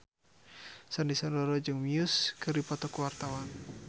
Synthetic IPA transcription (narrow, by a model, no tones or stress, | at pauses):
sandisɔndɔɾɔd͡ʒɨŋmiuskɨrdipɔt̪ɔkuwart̪awan